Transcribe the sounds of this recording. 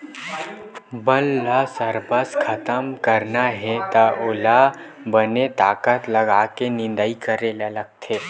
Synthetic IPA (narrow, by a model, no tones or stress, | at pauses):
bəlːasəɾbəskʰɐt̪əmkəɾnaɦɛt̪aʔʊla | bənet̪aːkət̪lɐɡakenɪ̃nd̪əikəɾelɐləɡ̚t̪ʰeː